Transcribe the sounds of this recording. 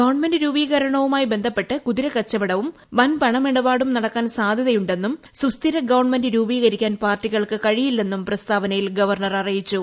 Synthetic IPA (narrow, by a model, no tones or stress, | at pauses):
ɡɐʋɳmendɨɾuːbiːɣɐɾɐɳɐʋumaːjbe̞nd̪ʱɐpːe̞ʈːɨkuðiɾɐkɐt͡ɕːɐʋɐɽɐʋum | ʋɐnpɐɳɐmiɽɐbaːɽumnɐɽɐkːaːnsaːd̪ʱjɐðɐjuɳɖe̞nːumsust̪iɾɐɡɐʋɐrɳmendɨɾuːbiːɣɐɾikʲːaːnpaːrtːiɣɐɭkɨkɐɻijilːe̞nːumprɐst̪ʰaːʋɐnɐjilɡɐʋɐrɳɐrɐrijit͡ɕːu